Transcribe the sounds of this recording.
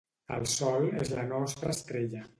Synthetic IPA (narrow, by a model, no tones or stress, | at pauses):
ə̰lˠsɔlezlanɔst̪ɾəst̪ɾeʎə